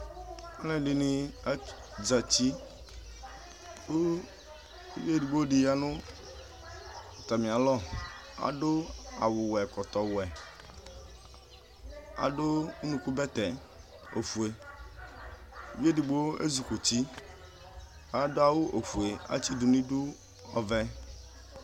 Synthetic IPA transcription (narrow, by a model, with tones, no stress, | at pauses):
a˦lɛ̃˦li˦nĩ˦a˦ | d͡za˨t͡ʃi˦˨˦ | vi˦e˦di˨ɡ͡bo˦di˨ja˨nʊ̃˦˨ | t̪a˨mĩ˨a˨lɔ˦a̰˨do˦a̰˨wʊ˨wɛ˨kɔ˨t̪ɔ˨wɛ˨ | a̰˨do˦u˦nũ˨ku˦bɛ˦t̪ɛ˨ | o̰˨fu˨e˨ | ve˦di˨ɡ͡bo˦o˦ḛ˦zu˨ku˨t͡ʃi˦ | a˦do˦a˦˨wʊ˦ʔo˨fu˨e˨a̰˦t͡ʃi˦du˨nĩ˦du˦ | ɔ˨vɛ˦